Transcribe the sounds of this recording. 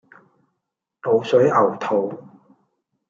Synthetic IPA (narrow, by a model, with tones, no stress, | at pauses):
lo˨˧wsɵ˨˥ɥɐ˨˩wt̪ʰo˨˧w